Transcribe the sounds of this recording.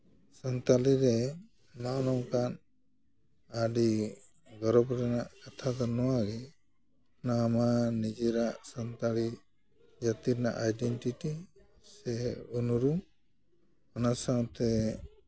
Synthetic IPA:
sənt̪aliɾɛ | nawnɔŋkan | aɖi | ɡɔɾɔbɾɛnaʔkat̪ʰad̪anɔwaɡɛ | ɔnaːmanid͡ʒiɾaʔsənt̪ali | d͡ʒat̪iɾɛna̰ʔajɖɛnʈiʈi | sɛunuɾu | ɔnasaŋt̪ɛ

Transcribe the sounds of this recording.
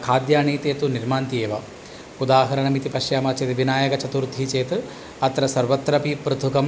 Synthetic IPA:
kʰaːd̪jaːɳiːt̪eːt̪uniɾmaːnt̪ieːʋɐ | ud̪aːɦɐɾɐɳɐmit̪ipɐʃjaːmɐt͡ʃeːt̪iʋinaːjɐkɐt͡ʃɐt̪uɾt̪ːit͡ʃeːt̪ɨ | ɐt̪ɾɐsɐɾʋɐt̪ːɾɐpipɾɐt̪ʰukɐm

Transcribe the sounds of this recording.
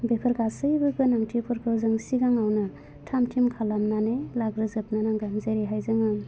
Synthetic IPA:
bepʰɯɾɡasɯjbɯɡɯnaŋtʰipʰɯɾkʰɯwzɯŋsiɡaŋawna | tʰamtʰimkʰalamnanelaɡɾɯzɯp̚nanaŋɡanzeɾiɦajzaŋɯ

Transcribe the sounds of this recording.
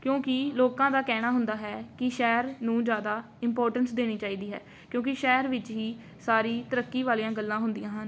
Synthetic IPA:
kjõːkɪloːkãːd̪aːkɛːɽ̃aːɦʊnd̪aːɦɛːkɪʃɛːɾnũːd͡ʒjaːd̪aː | ɪmpoːɾʈənsd̪eːɽ̃iːt͡ʃaːiːd̪iːɦɛ̰ː | kjõːkɪʃɛːɾʋɪt͡ʃɦiː | saːɾiːt̪əɾəkːiːʋaːlijãːɡəlːãːɦʊnd̪ɪjãːɦən

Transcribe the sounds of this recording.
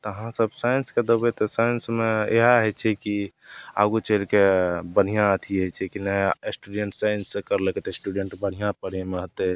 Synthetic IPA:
t̪ɔɦãsəbsajənsked̪əbɛt̪ɔsajənsmeeɦaɦɛt͡ʃʰɛkia̰ɡut͡ʃəlkebəɽ̤ijãət̪ʰiɦət͡ʃʰɛkinɛsʈuɖeɳʈsajənsːẽkəɾleket̪esʈuɖeɳʈbəɽ̤ijãpəɽ̤emeɦət̪e

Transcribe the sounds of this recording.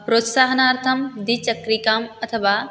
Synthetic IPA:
pɾoːt̪saːɦɐnaːɾt̪ʰɐmd̪it͡ʃɐkɾikaːmɐt̪ʰɐʋaː

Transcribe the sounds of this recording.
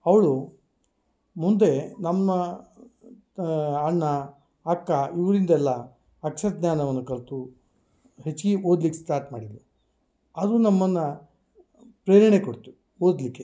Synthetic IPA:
ɐʋɐɭu | mund̪e̞nɐmːɐ | ɐɳːɐː | kːɐiʋɾind̪ɛlːɐː | kʂɐɾd̪naːnɐʋɐnːukɐɭt̪u | ɦet͡ʃːɡiʔoːd̪likːesʈaːɾʈmaːɽid̪lu | ɐd̪unɐmːɐnːɐ | pɾeːɾɐɳekoɽt̪u̥ | oːd̪likːe

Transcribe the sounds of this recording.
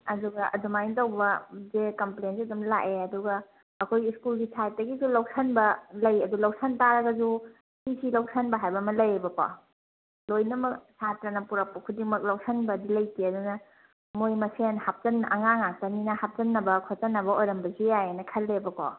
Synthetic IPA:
ɐduɡɐʔɐ̰dumajntɐwbɐzekɐmplejnsiɐdumla̰ʔeɐduɡɐː | kʰojiskulɡisʰajt̚dɐɡizulawk̚sʰɐnbɐlɐjɐdulaw̚sɐntaɾɐɡɐzu | sisilawk̚sʰɐnbɐɦajbɐmɐlɐjebɐkɔ̰ | lojnɐmɐksʰatɾɐnɐpuɾɐk̚pɐkʰudiŋmɐk̚lawk̚sɐnbɐdilɐjkiɐdunɐ | mojmɐsenhap̚t͡ʃɐnʔɐŋaŋak̚tɐninɐhap̚t͡ʃɐnːɐbɐkʰot͡ʃɐnːɐbɐojɾɐmbɐzijajenɐkʰɐlebɐko̰

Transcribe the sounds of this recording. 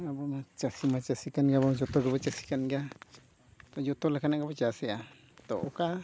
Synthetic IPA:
abamat͡ʃasimat͡ʃasikanɡaβad͡ʒot̪oɡəβət͡ʃasi̥kanɡa | t̪ojot̪olakanaɡabət͡ʃasea | t̪oʔoka

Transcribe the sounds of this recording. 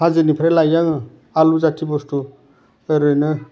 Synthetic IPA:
pʰad͡zɯnipʰɾelajaŋ | alud͡zat̪ʰibosʈu | eɾɯnɯ

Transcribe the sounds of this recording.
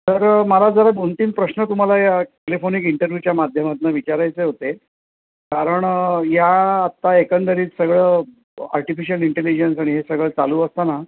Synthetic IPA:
t̪əɾməlad͡zəɾat̪unt̪iːmpɾəɕnət̪um̤alajakelifonikiɳʈəɾʋjut͡ɕjamad̪ʱjəmat̪̚naʋit͡ɕaɾajt͡seɦot̪e | kaɾəɳjaːt̪ːaekənd̪əɾiːt͡ssəɡɭə | a̰ɾʈifiɕijəliɳʈelid͡ʑensaɽ̃iɦesəɡɭət͡sa̰luːəst̪ana

